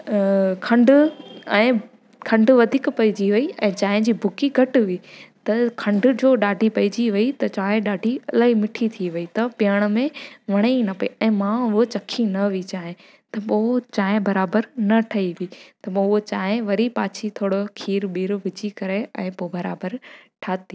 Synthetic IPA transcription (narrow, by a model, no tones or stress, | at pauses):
kʰɐ̃ɳɖʊɛ̃ː | kʰɐ̃ɳɖʋɐd̪ʱiːkpɐid͡ʑiʋɐiɛ̃ːt͡ɕaːɦɪ̃d͡ʑiːbʱʊkiɡʱɐʈʋit̪ɐkʰɐ̃ɳɖʊ̆d͡ʑoːɗaːɖʱipɐid͡ʑiʋɐit̪ɐt͡ɕaːɦẽɗaːɖʱiɐlaːɦimɪʈʰit̪ʰiʋɐit̪ɐpɪjəɽ̃ʊ̆mẽʋɐɽ̃enɐpɐiɛ̃ːmãʊɦot͡ɕɐkʰinɐʋit͡ɕaːɦɪ̃ | t̪ɐpoːt͡ɕaːɦẽbɐɾaːbəɾnɐʈʰɐiʋiːt̪ɐpːot͡ɕaːɦɪ̃ʋɐɾipaːt͡ɕʰit̪ʰoːɽokʰiːɾɓiːɾʋɪd͡ʑikɐɾeɛ̃ːpoːbɐɾa̰ːbəɾʈʰaːt̪i